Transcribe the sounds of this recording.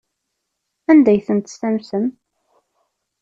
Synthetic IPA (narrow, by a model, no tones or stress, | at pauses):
ænd̪æjθənt̪st̪æmsəm